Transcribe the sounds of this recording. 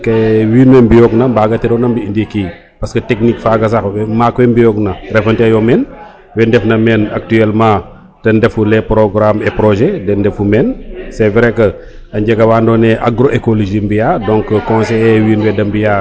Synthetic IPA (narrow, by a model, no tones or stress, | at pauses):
kɛwiːnwɛmbijɔknɐmbaːɡɐtɛɾɔnɐmbiindikiː | pɐskətɛknikfaːɡɐs̬ɐxmaːkwɛmbijɔknɐrɛfɐntɛɐjɔmɛn | wɛndɛfnɐmɛnak̚tyɛlmãː | d̥ɐndɛfulɛpɾɔɡɾamɛpɾɔʒɛdɛndɛfumɛnsɛvɾɛkːɐ | ɐɲɟɛɡɐwaːndɔːnɛʔaɡɾoʔekoloʒimbijaːdɔ̃ŋkkɔ̃nsɛɛwiːnwɛdɐmbijaː